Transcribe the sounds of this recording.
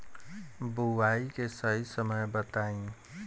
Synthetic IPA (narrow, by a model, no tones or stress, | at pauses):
buʋaːikesəɦisəməjbət̪aːĩː